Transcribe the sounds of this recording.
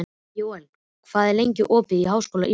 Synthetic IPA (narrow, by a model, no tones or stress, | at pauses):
joːwan | ɔkʰv̥aːðɛɾlejɲcɪʔɔːpɪðiɦawskowlaʔi